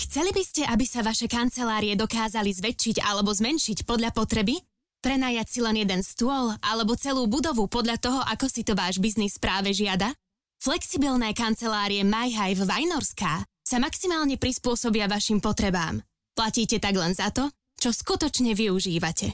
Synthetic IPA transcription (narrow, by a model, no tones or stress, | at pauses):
xt͡sɛlibiscɛʔabisaʋaʃɛkant͡sɛlaːɾiɛd̪ɔkaːzalizʋɛt͡ʃːiɟa̰lɛbɔzmɛnʃicpɔd̪ʎapɔt̪ɾɛbi | pɾɛnaːjacsilɛnjɛd̪ɛnst̪ʊɔlʔalɛbɔt͡sɛluːbud̪ɔʋupɔd̪lʎat̪ɔɦɔʔakɔsit̪ɔʋaːʒbiznispɾaːʋɛʒɪad̪a | flɛksibilnɛːkant͡sɛlaːɾiɛmajɦajvʋajnɔɾskaː | samaksimaːlɲɛpɾispʊɔsɔbiaʋaʃimpɔt̪ɾɛba̰ːm | placiːcɛt̪aɡlɛnzat̪ɔ | t͡ʃɔskut̪ɔt͡ʃɲɛʋiuʒiːʋacʰɛ